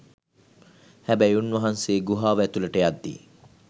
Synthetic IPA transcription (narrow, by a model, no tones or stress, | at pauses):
hæbæjunʋɐɦanseːɡuɦaːʋæt̪uləʈəjad̪ːḭ